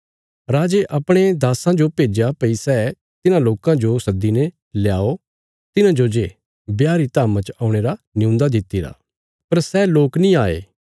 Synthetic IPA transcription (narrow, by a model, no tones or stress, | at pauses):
ɾaːd͡ʒeʔɐpɽ̃ed̪aːsãd͡ʒopeːd͡ʒapəisɛ | t̪ɪnãloːkãd͡ʒosɐd̪ːine | ljaːo | t̪ɪnãd͡ʒod͡ʒe | bjaːɾit̪aːmãt͡ʃaːũɽ̃eːɾa | nɪũːnd̪ad̪ɪt̪ːiɾa̰ː | pɐɾsɛːloːknĩaːḛː